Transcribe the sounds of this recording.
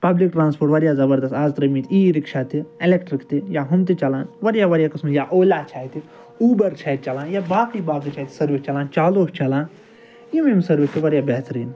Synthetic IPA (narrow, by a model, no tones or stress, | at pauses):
pɐblik̚ʈɾãːnspʰoːʈʋɐɾjaːzɐbɐɾd̪ɐst̪aːzt̪ɾɐmiːt̪iːɾɪkʃaːt̪ielekʈɾɪkt̪ijaːɦʊmt̪it͡ʃɐlãːnʋɐɾjaːʋɐɾjaːkɐsmjaːʔoːlʲaːt͡ʃʰaːit̪i | uːbɐɾt͡ʃʰaːit̪̚t͡ʃɐlãːnjaːbaːkibaːkit͡ʃʰaːit̪sɐɾʋist͡ʃɐlãːnt͡ʃaːloːst͡ʃɐlãːn | jimemsɐɾʋit̪iʋɐɾjaːbɛɦt̪ɾiːn